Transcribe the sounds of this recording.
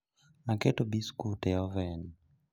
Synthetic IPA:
akɛtɔbiskutɛɔvɛni

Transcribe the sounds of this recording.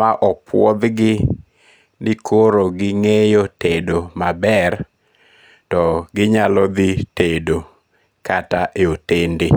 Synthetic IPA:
maʔɔpwɔd̪ɡɪ | nɪkʰoɾoɡɪŋejotedomabɛr | tɔɡɪɲalɔd̪ɪtedo | kataʔeotende

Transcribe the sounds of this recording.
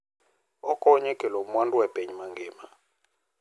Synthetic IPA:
ɔkʼɔɲɛkʼɛlomwandʼuwɛb̥ʱeɲimaŋɡʱeːma

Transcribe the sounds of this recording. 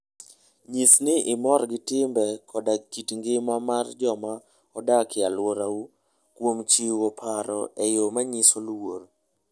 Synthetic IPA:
ɲisnɪʔɪmɔrɡɪtɪmbɛkʰɔdakitŋɡɪmamard͡ʒɔma | ɔdakɪalwoɾau | kwomt͡ʃiwopʰaɾɔ̰ɛjomaɲisolwoɾ

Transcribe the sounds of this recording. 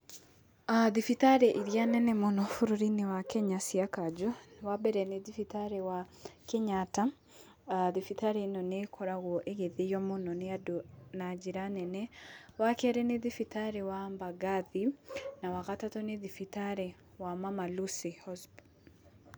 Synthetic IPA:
aðifitaɾɛʔiɾjanɛnɛmonɔfuɾuɾinewakɛɲasiakad͡ʒɔwabɛɾɛneðifitaɾɛwa | keɲata | aðifitaɾenɔnekʰɔɾaɣwɔʔeɣeðejɔmonɔneadonad͡ʒiɾanɛnɛwakɛɾɛneðifitaɾewambaɡaðinawaɣatatɔneðifitaɾɛ | wamamalusihɔzb

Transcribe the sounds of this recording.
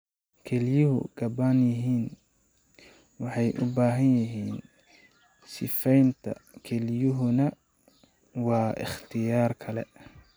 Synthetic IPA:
kʰɛlɪjʊɦʊ̰ɡ̥ɐbaːnjɪɦiːn | wɑħɑjʔʊbaːɦɐnjɐɦiːn | sɪfɛjnt̪ʰɐ̰kʰɛlɪjʊɦʊnɐ | wɑːʔɪ̰χt̪ʰɪjaːrkʰɐlɛ̰

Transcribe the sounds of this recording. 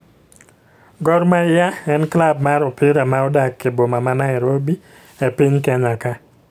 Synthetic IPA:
ɡɔɾmajaɛnklab̚maɾɔpɪɾamaɔdakːebomamanaɛɾobi | ɛpɪɲkɛɲaka

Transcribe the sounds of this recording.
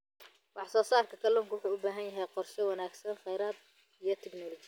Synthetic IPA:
wɑħsɔːsaːrkʰɐkʰɐlɔŋkʰwʊħuːʊbaːɦɐnjɐɦɛjqɔrʃɔwɑnaːɡsɐnχɛjɾaːd̪ | ijɞt̪ʰɛknɔːlɔt͡ʃɪ

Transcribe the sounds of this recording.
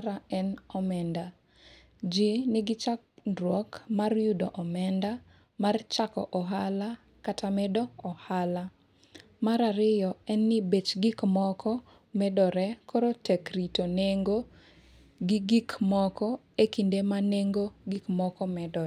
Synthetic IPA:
ɾaɛnɔmɛnda | d͡ʒinɪɡɪt͡ʃak̚dɾwɔkmarjudɔ̰ʔɔmɛnda | mart͡ʃakɔ̰ʔɔɦala | katʰamɛdɔɔhala | maɾaɾɪjɔɛnːɪbet͡ʃɡɪkmɔkʰɔ | mɛdɔɾɛkʰɔɾotɛkɾitoneŋɡo | ɡiɡikmɔkɔ | ekindemaneŋɡoɡikmɔkɔmɛdɔ

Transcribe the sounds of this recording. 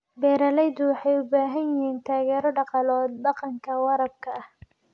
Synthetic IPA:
bɛːɾɐlɛjd̪ʊwɑħɑjʊbaːɦɐnɪɦiːnt̪ʰaːɣɛːɾɔɖɑqɑlɔːd̪̚bɑqɑŋkʰɐwɑɾɐb̚kʰɐɐh

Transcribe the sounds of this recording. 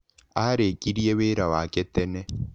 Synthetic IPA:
aɾekiɾieweːɾawaketene

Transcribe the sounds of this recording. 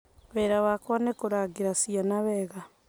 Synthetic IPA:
βɛɾaβakwanekoɾaɡeɾasianaβɛːɣa

